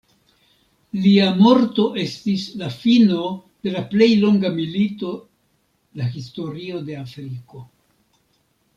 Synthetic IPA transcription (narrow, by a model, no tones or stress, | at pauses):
liamo̞ɾto̞ʔe̞stislafino̞d̥e̞laple̞jlo̞ŋɡamilito̞ | lahisto̞ɾio̞de̞afɾiko̞